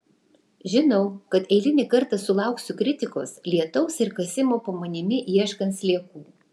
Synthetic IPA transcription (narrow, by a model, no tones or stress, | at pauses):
ʒʲɪnɔʊkɐt̪ɛɪlʲɪnʲɪkɐɾt̪ɐsʊlˠɑˑʊksʲʊkɾʲɪt̪ʲɪko̰ːslʲiɛt̪ɔʊsɪɾkɐsʲɪmoːpɐmɐnʲɪmʲɪʔiɛʃkɐnt̪slʲiɛkuː